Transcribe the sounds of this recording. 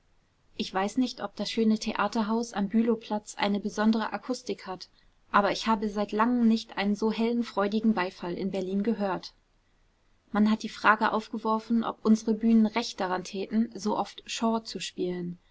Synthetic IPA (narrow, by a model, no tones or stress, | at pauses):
ʔɪçv̥aɪsnɪçtʔɔp̚d̥asʃøːnətʰeʔaːtɐɦaʊsa̰mbyːlopʰl̥at͡sʔa̰ɪnəbəzɔndəʁə̰ʔakʰʊstɪkhat | ʔaːbɐɪçhaːbəzaɪtlaŋəmnɪçtʔa̰ɪnənzoːɦɛlənfʁ̥ɔʏdɪɡŋ̩baɪfalɪ̰nbɛɐliːnɡəɦøːɐt | manhat̚d̥iːfʁ̥aːɡəʔaʊfɡ̥əvɔɐfn̩ʔɔ̰pʔʊnzəʁəbyːnənʁɛçt̚d̥aʁantʰɛːtn̩zoːʔɔftʃɔːt͡suʃpiːlən